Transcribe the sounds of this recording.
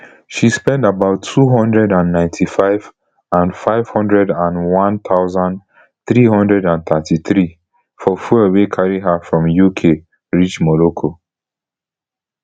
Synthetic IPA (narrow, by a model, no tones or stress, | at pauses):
ʃispɛ̃ndabaʊtʰːuɦɔ̃ndɹɛdãnːãɪ̃ntʰifaɪv | ãnfaɪv̥hɔ̃ndɹɛdãnwɔ̃nt̪ʰaʊzãn | θɹiɦɔ̃ndɹɛdãnθatiθɹi | fɔfuawekʰaɹiɦafɹɔ̃mjukʰe | ɹit͡ʃmɔɹokʰo